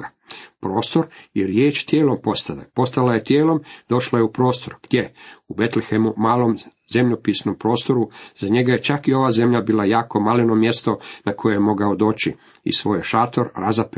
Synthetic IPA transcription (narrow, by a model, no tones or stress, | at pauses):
a | pɾo̞ːst̪o̞ɾjeɾjeːt͡ʃt̪jeːlo̞mpo̞st̪ala̰po̞st̪alaje̞t̪jeːlo̞md̪̥o̞ʃlajeupɾo̞ːst̪o̞ɾɡ̥d̪je̞ube̞t̪lexemumaːlˠo̞m | ze̞mʎopiːsno̞mpɾo̞ːst̪o̞ɾuzaɲe̞ɡaje̞t͡ʃakio̞ʋaːze̞mʎabiːlˠajaːko̞malino̞mje̞st̪o̞nakʰo̞jejemo̞ɡaod̪o̞ːt͡ʃi | ḭsʋo̞ːjeʃaːt̪oɾɾazap